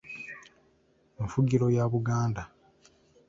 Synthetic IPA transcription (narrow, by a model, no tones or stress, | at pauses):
eɱfuɟiɾo̞jaβuɡaːnda